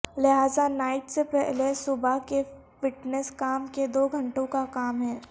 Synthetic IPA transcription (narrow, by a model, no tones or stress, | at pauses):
lɪɦaːzanaːɪʈsepɛɦlesʊbake | ʋɪʈnɛskaːmked̪oːɡʱɐ̃ɳʈõkakaːmɦɛː